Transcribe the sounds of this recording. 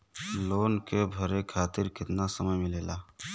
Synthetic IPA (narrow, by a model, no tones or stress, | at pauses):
loːnkebʱəɾekʰaːt̪ɪɾkɪt̪nasəməjmɪleːlaː